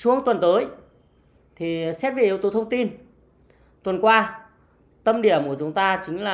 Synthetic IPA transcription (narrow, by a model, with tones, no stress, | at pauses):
su˧˨˦əŋt̪wə˨˩nt̪əː˨˦j | t̪ʰi˨˩sɛ˦˥p̚vʔəwt̪o˨˦t̪ʰə˧wŋ͡mt̪i˧n | t̪wə˨˩nkwaː˧ | t̪ə˧mɗi˧˩əmku˧˩t͡ɕʊ˨˦ŋ͡mt̪aː˧t͡ɕï˨˦ŋ̟laː˨